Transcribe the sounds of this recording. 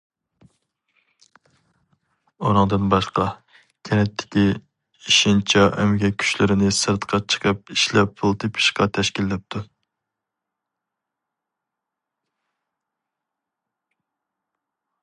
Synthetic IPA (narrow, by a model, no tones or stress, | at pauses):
oɾɨŋd̪ɨnbɑʃqɑ | kʲʰɛnɛt̪ʰːɪ̥kʲi | iʃɪnt͡ʃʰɑʔɛmɪɡʲɛkʲʰy̥ʃlɪɾɪnɪsɨɾt̪qʰɑt͡ʃʰə̥qʰəp̚iʃlɛp̚ːʰulˠt̪ʰɨpʰi̥ʃqɑt̪ʰɛʃkʲilːɛp̚t̪ʰu